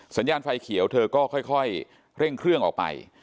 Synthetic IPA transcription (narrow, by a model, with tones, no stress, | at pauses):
sa˩˦njaː˧nfa˧jkʰi˨˩˦əwt̪ʰɤː˧kɔː˥˩kʰɔ˥˩jkʰɔ˥˩j | ɾe˥˩ŋkʰɾɯ˥˩əŋʔɔː˨˩pa̰˧j